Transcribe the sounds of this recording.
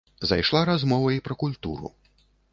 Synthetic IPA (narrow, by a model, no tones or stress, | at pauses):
za̰jʂlˠaɾazmɔvɐipɾɐkulʲt̪ṵɾṵ